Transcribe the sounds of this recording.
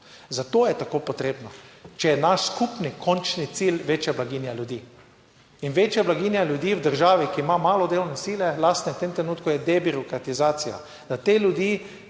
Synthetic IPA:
zat̪oːjɛt̪akoːpot̪ɾeːbnɔt͡ʃɛjɛnaʃskupnikʰɔnt͡ʃnit̪silʋeːt͡ʃjablaɡiːnjalʲjud̪iː | inʋeːt͡ʃjablaɡiːnjalʲjud̪iːwd̪əɾʒaːʋikiːmamaːlɔd̪elwnɛsiːlɛlast̪nɛwt̪emt̪ɾɛnuːt̪kujɛd̪ɛbiɾɔkɾat̪izaːsija̰ | d̪̥at̪eːlʲjud̪iː

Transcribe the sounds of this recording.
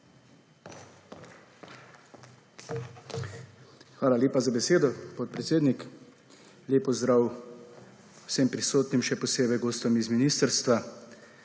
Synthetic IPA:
xʋaːlalʲjeːpazabɛseːd̪ɔpɔt̪̚pɾɛt̪seːd̪nik | lʲeːpɔzd̪ɾaːw | wsempɾisoːt̪nimʃɛpɔseːbɛjɡoːst̪ɔmizminiːst̪əɾst̪ʋa

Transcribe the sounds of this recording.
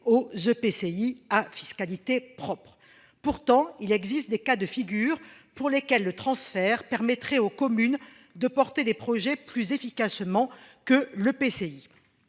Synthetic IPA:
ozøpeseiafiskalit̪epχɔpχ | puʁt̪ɑ̃ilɛɡzist̪̚d̪ekad̪əfiɡʲyʁpuʁlekʲɛlːət̪χɑ̃sfɛʁpɛʁmɛt̪χɛokɔmyn | d̪əpɔʁt̪ed̪epχɔʒɛplyzefikasmɑ̃kələpesei

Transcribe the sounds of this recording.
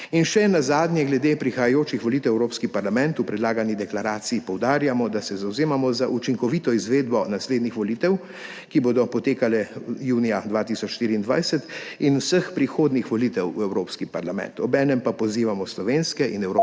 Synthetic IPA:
inʃɛnazaːd̪nʲjɛɡlɛd̪eːpɾixajajoːt͡ʃixʋɔliːt̪ɛwɛwɾoːpskipaɾlamɛnt̪upɾɛd̪laːɡanid̪ɛklaɾaːt̪sijipɔwd̪aːɾjamɔd̪asɛzawzeːmamɔzaʔut͡ʃiŋkɔʋiːt̪ɔizʋeːd̪bɔnasleːd̪nixʋɔliːt̪ɛw | kiboːd̪ɔpɔt̪eːkalɛjuːnijad̪ʋaːt̪iːsɔt͡ʃʃt̪iːɾiːnd̪ʋa̰jsɛt̪inusəxpɾixoːd̪nixʋɔliːt̪ɛwwɛwɾoːpskipaɾlamɛ̰̃nt̪ɔbɛːnɛmpapɔziːʋamɔslɔʋeːnskɛinɛwɾo

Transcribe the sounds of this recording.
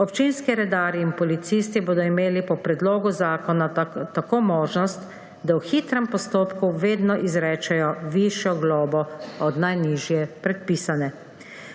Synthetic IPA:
ɔpt͡ʃinskiɾɛd̪aːɾiːnpɔlit̪siːst̪iboːd̪ɔimeːlipɔpɾɛd̪loːɡuzaːkɔnat̪akoːmoːʒnɔst̪ | d̪awxiːt̪ɾɛmpɔst̪oːpkuʋeːd̪nɔʔizɾɛːt͡ʃɛjɔʋiʃjɔɡloːbɔɔd̪najniːʒjɛpɾɛt̪̚piːsanɛ

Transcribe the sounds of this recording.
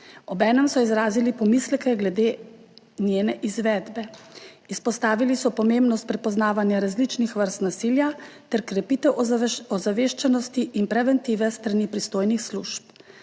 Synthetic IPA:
ɔbɛːnɛmsɔizɾaːzilipɔmislɛkɛɡlɛd̪eː | njeːnɛʔizʋɛd̪bɛispɔst̪aːʋilisɔpɔmembnɔst̪̚pɾɛpɔznaːʋanjaɾazlit͡ʃnixʋəɾst̪nasiːljat̪ɛɾkɾɛpit̪ɛwɔzaʋeːʃt͡ʃɛnɔst̪iʔinpɾɛʋɛnt̪iːʋɛst̪ɾanipɾist̪oːjnixsluʃp

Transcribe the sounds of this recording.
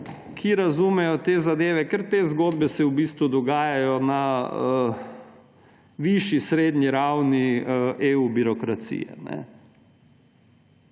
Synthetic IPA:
kʰiɾazumɛjɔt̪eːzad̪eːʋɛkɛɾt̪eːzɡoːd̪bɛsɛwbiːst̪ʋud̪ɔɡaːjajɔnaə | ʋiʃisɾeːd̪ɲiɾawnieubiɾɔkɾat̪sḭjɛ̰nɛ̰

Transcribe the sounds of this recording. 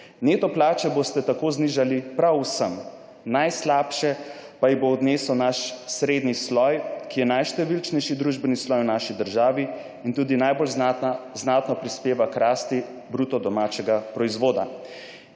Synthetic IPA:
neːt̪ɔplaːt͡ʃɛbost̪ɛt̪akoːzniːʒalipɾawsəm | najslaːpʃɛpajiboːd̪neːsɔwnaʃsɾeːd̪nislɔjkijɛnajʃt̪ɛʋilt͡ʃnɛjʃid̪ɾuːʒbɛnislɔjwnaːʃid̪əɾʒaːʋi | int̪uːd̪inajbolznaːt̪nɔpɾispeːʋakɾaːst̪i | bɾuːt̪ɔd̪ɔmaːt͡ʃɛɡapɾɔizʋoːd̪a̰

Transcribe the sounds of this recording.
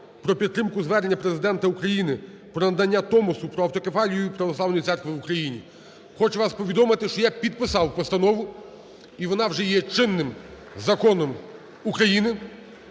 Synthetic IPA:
pɾɔpʲit̪t̪ːɾɪmkʊzʋɛrnʲːɐpɾezɪd̪ɛnt̪ɐukɾɐjinɪ | pɾɔnɐd̪ɐnʲːat̪ɔmɔsʊpɾɔɐwt̪ɔkefɑlʲijʊjʊpɾɐʋɔslˠɑʋwnɔjit̪ɛrkʋɪʋukɾɐjinʲḭ | xɔt͡ʃʊʋɑspɔʋʲid̪ɔmɪt̪ɪʃt͡ʃɔjapʲid̪̚pɪsɑwpɔst̪ɐnɔʋʊ | iʋɔnɑwʒɛjɛt͡ʃɪnːɪm | zɐkɔnɔm | ukɾɐjinɪ

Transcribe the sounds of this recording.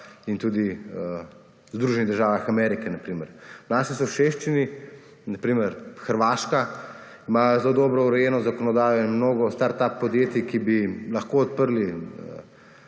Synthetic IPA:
int̪uːd̪i | zd̪ɾuːʒɛniɣd̪əɾʒaːʋaxamɛɾikɛnapɾiːməɾnaːsisɔʃeʃt͡ʃini | nɐpɾiːməɾxəɾʋaːʃka | imaːjɔzloːd̪ɔːbɾɔuɾɛjɛːnɔzakɔnɔd̪aːjɔinmnoːɡɔst̪aɾt̪apːɔd̪jeːt̪ikibilɐxkoɔt̪̚pəɾliə̰

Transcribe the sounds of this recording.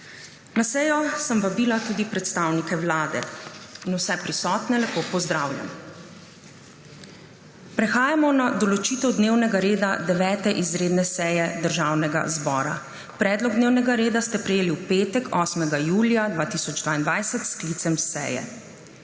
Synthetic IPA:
nasɛːjɔsəmʋabiːlat̪uːd̪ipɾɛt̪st̪awnikɛwlaːd̪ɛ̰inuwsɛpɾisɔːt̪nɛlaxpoːpɔzd̪ɾawlja̰m | pɾɛxaːjamɔnad̪ɔlɔt͡ʃiːt̪ɛwd̪neːwnɛɡaɾeːd̪ad̪ɛʋɛːt̪ɛʔizɾeːd̪nɛsɛjɛd̪əɾʒaːwnɛɡa̰zbɔːɾa̰ | pɾɛːd̪lɔɡ̚d̪neːwnɛɡaɾeːd̪ast̪ɛpɾɛjeːliwpeːt̪ɛkɔːsmɛɡajuːljad̪ʋaːt̪isɔd͡ʒd̪vʋaːind̪ʋajsɛt̪sklit̪sɛmsɛ̰jɛ̰

